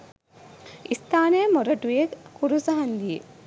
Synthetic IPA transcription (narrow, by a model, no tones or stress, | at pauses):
ist̪aːnejmoɾɐʈujekːuɾusɐɦɐnd̪ije